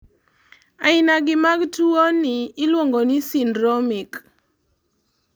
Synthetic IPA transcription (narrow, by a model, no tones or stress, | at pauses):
aɪnaɡɪmaɡtuonɪːlwoŋɡonisindɾɔmik